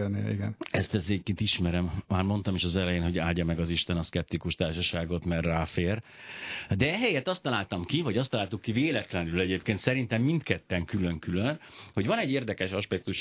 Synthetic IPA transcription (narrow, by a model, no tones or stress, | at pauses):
nːḭiɡɛ̰nɛst̪ɛzeːkːit̪iʃmɛɾɛmmaːrmo̞nt̪ɒmeʃɒzɛlɛjeːnɦo̞ɟaːlɟɒmɛɡɒziʃt̪ɛnɒskɛp̚t̪ikuʃt̪aːrʃɒʃaːɡo̞t̪mɛrːaːfeːr | d̪ɛɛɦɛjɛt̪ɒst̪ːɒlaːlt̪ɒmkivɒɟɒst̪ɒlaːlt̪ukːiveːlɛt̪lɛnylɛɟeːpkeːnt̪sɛɾint̪ɛmːint̪kɛt̪ːɛŋkylø̞ŋkylønho̞ɟvɒnɛɟːeːrd̪ɛkɛʃɒʃpɛk̚t̪uʃ